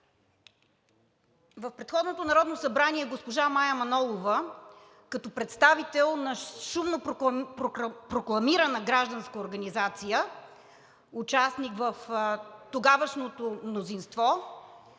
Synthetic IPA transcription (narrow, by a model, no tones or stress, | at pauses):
vəfpɾɛt̪xɔd̪not̪onɐɾɔd̪nosɐbɾaniɛɡospoʒamajɐmɐnɔlˠovə | kɐt̪ɔpɾɛt̪st̪avit̪ɛlˠnɐʃumno | pɾoklˠɐmiɾənəɡɾaʒd̪ɐnskəoɾɡɐnizat̪sijə | ut͡ʃasnikvəft̪oɡavəʃnot̪omnozinst̪vɔ